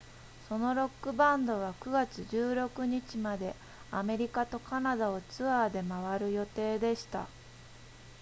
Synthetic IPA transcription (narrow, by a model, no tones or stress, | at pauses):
so̞no̞ɾo̞kːɯ̟bãnd̪o̞β̞akɯ̟ɡat͡sɨʑɨːɾo̞kɯ̟ɲ̟it͡ɕimad̪e̞ | ame̞ɾʲikat̪o̞kanad̪ao̞t͡sɨaːd̪e̞maβ̞aɾɯ̟jo̞t̪e̞ːd̪e̞ɕi̥t̪a̰